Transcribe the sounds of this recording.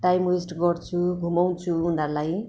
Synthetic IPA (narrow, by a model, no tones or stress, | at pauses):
ʈajmwesʈɡʌrt͡sʰuɡʱumaw̃t͡sʰuunarlaj